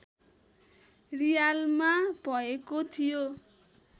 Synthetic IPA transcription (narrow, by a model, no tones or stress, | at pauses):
rijalmabʱʌekot̪ʰijo